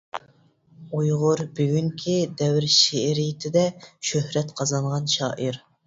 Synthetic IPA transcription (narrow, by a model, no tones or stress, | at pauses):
ujʁʊɾbyɡʲyŋkʲʰid̪ɛwɪɾʃeɾijɪt̪ʰɪd̪ɛʃøhɾɛt̪qʰɑzɑɴʁɑnʃɑ̰ːʔiɾ